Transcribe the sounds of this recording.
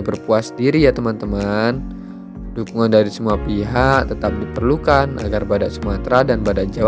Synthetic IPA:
bərpuasdiɾijat̪əmant̪əman | dukuŋandaɾisəmuapiɦakt̪ət̪ap̚dipərlukanʔa̰ɡarbadaʔsəmuat̪ɾadanbadaʔd͡ʒaw

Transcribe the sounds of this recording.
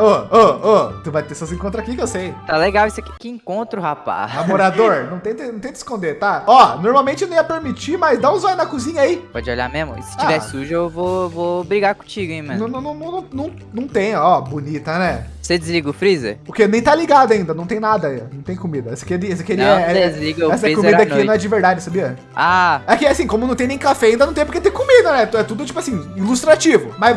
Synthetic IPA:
ooot̪uvajt̪esɐsẽkõnt̪ɾakikewsejt̪aleɡawisɐkikɪẽŋkõnt̪ɾʊhapa̰samoɾad̪oɾnɐ̃w̃t̪ẽj̃t̪ɪnɐ̃t̪ẽj̃d̪ɪ̥skõnd̪eɾt̪aɔnoɾmawmẽnt͡ʃɪnɐ̃ijɐpeɾmit͡ʃimɐzd̪ãũzɔjʊnɐkuzĩɲɐipɔd͡ʒɪoʎa̰mezmʊ̰ḭsɪ̥t͡ʃt͡ʃiavɛsɪsuʒʊewvovobɾiɡaɾkõt͡ʃiɡʊẽmẽnɐ̃w̃nɐ̃nɐ̃w̃nɐ̃w̃nɐ̃w̃nɐ̃w̃ | nɐ̃w̃t̪ẽj̃ɔbonit̪ɐnɛsed͡ʒɪzliɡɐʊfɾizḛɾpoɾkenẽj̃t̪aliɡad̪ʊɐaĩnd̪ɐnɐ̃t̪ẽj̃nad̪ɐinɐ̃w̃t̪ẽj̃komid̪ɐɛsɐ̥kes̬ɐkɪelɪɛɛsezliɡɐɛsɐɛkomid̪ɐak̪inɐ̃ɛd͡ʒɪveɾd̪ad͡ʒɪsabiɐ | aɛkɪasĩkõmʊnɐ̃t̪ẽj̃nẽj̃kafɛaĩnd̪ɐnɐ̃w̃t̪ẽjp̬ɾket̪ẽj̃komid̪ɐnɛt̪ɛt̪ud̪ʊt͡ʃi̥pʊasĩilust̪ɾat͡ʃivʊma

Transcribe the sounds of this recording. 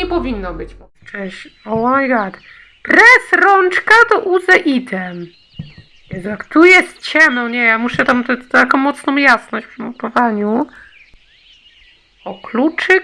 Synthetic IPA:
ɛpɔvʲinːɔbɘt͡ɕmɔ | t͡ʂɛɕɔwɔmajɡat̪ | pɾɛsɾɔnt͡ʂkat̪ɔʔuzɛʔit̪ɛm | jɛzakt̪ujɛst̪t͡ɕɛmnɔ̃wɲɛjamuʂɛt̪amt̪ɛt̪akɔ̃w̃mːɔt̪snɔ̃w̃jasnɔɕt͡ɕpʂmupɔvaɲu | ɔklut͡ʂɨ

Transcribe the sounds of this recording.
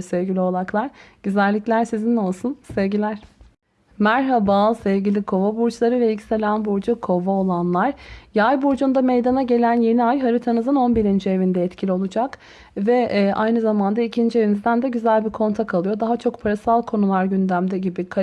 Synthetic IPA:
sɛvɡɟilʲio̞lˠaklˠaɾ̥ɟ̥yzælʲːicʲlʲæɾsizino̞lˠsunsɛvɟilʲæɾ̥ | mæɾɦabasɛvɟilʲikʰo̞vabuɾt͡ʃlˠaɾɯvɛlʲci̥se̞lʲænbuɾd͡ʒukʰo̞vaolˠanlˠaɾjajbuɾd͡ʒund̪amejd̪anaɟe̞lʲænje̞niajɦaɾit̪ʰanɯzɯno̞nbiɾind͡ʒie̞vind̪ɛɛt̪cʰilʲio̞lˠud͡ʒak | vɛːʔajnɯzamand̪aicʰind͡ʒie̞vinizd̪ænd̪ɛɟyzælʲbikʰo̞nt̪ʰakʰalˠɯjo̞d̪aɦat͡ʃʰo̞k̚pʰaɾasalˠkʰo̞nulˠaɾɟynd̪æmd̪ɛɟibikʰa

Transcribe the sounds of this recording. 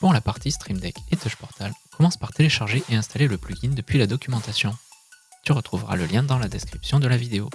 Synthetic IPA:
puʁlapaʁt̪ist̪χimd̪ɛket̪ɔʃpɔʁt̪alkɔmɑ̃spaʁt̪eleʃaʁʒeʔeɛ̃st̪aleləplyɡʲind̪əpɥilad̪ɔkʲymɑ̃t̪asjɔ̃ | t̪yʁət̪χuvʁa̰ləljɛ̃d̪ɑ̃lad̪ɛskχipsjɔ̃d̪əlavid̪eo

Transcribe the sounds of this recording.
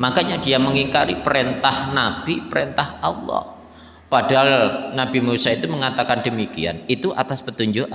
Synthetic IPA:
makaɲadiaməŋiŋkaɾipəɾent̪ahnab̥ipəɾent̪ahɑlːɔ̰h | padaɦalnabimusait̪uməŋat̪akandəmikia̰nit̪uʔa̰t̪aspət̪uɲd͡ʒuʔ

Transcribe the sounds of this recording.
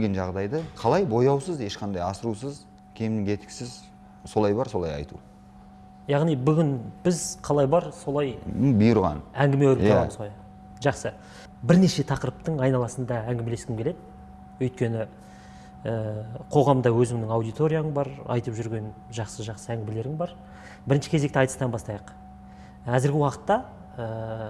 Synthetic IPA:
elɡʲenʒɑʁd̪ɑjd̪əqʰɑlˠɑjbo̞jɑwsəze̞ʃqʰɑnd̪ɑjɑsəɾus̬əz | kʲʰe̞mnɪŋe̞t̪kʲɪ̥sɪz | so̞lˠɑjbɑɾso̞lˠɑjɑ̰jt̪ṵ | jɑʁnijbʏɡʲɪnb̥ɪzqʰɑlˠɑjbɑɾso̞lˠɑjbijəɾʁɑ̰næŋɡʲɪmewɵɾp̪ɑməzʁoj | ʒɑqsə | bɪɾne̞ʃe̞t̪ʰɑqəɾəp̚t̪əɴɑjnɑlˠɑsənd̪ɑæŋɡʲɪmee̞skʲɪmkʲele̞d̪ɪ | ɵjt̪̚kʲe̞nɪ | əqʰo̞ʁɑmd̪ɑwɵzɪŋnɪŋɑwd̪ijt̪o̞ɾʲijaɴbɑɾɑ̰jt̪əpʒʏɾɡʲe̞nʒɑqsəʒɑqsəæŋɡʲɪmele̞ɾɪŋbɑɾ | bɪɾɪnʃɪkʲʰe̞ze̞k̚t̪ɪɑjt̪ə̥st̪ɑnbɑst̪ɑjəqʰ | æzɪɾɡʲɪwɑqə̥t̪ːɑ | ə

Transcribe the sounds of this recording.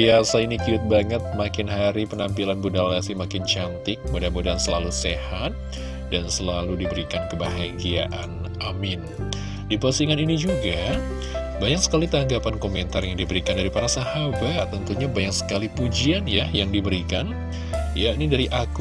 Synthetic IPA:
biasainikiʊt̪̚baŋət̪̚makɪnɦaɾipənampilanbudalasimakɪnt͡ʃant̪ɪk̚bodanbodansəlalusehat̪̚ | dansəlaludibəɾikankəbaɦaɡia̰ʔan | amɪn | dipasiŋaninid͡ʒuɡa | baɲaksə̥kalit̪aŋɡapankomɛnt̪arjaŋdibəɾikandaɾipaɾasahabat̪ənt̪uɲabaɲaksə̥kalipud͡ʒianjajaŋdibəɾikan | jaʔnidaɾiʔak

